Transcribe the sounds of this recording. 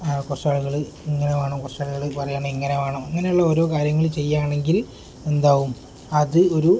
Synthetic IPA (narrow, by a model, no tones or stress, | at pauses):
korʂaːɭuɣɐɭɨ | iŋːɐnemaːɳoːkorʂaːɭuɣɐɭɨpɐrɐjaːɳoiŋːɐnemaːɳoːɐŋːɐne̞juɭːɐoːɾo̞ːkaːɾjɐŋːɐɭt͡ɕe̞jːaːɳe̞ŋɡil | e̞nd̪aːʋum | ɐðɨo̞ɾu